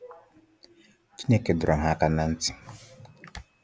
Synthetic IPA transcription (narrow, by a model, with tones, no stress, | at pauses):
t͡ʃi˦ne˨ke˨dɾɔ˨ŋ˨ɦa˦ka˦nã˦n̩˦ti̥˨